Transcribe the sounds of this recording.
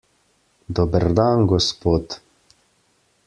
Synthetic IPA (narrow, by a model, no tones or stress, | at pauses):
d̪ɔbəɾd̪aːnɡɔspoːt̪